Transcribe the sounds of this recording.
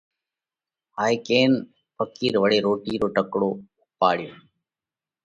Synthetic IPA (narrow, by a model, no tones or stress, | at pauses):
haːjkeːn | pɐkːiːɾʋɐɽeːɾoːʈiːɾoːʈɐkːɽoː | paːɽɪjo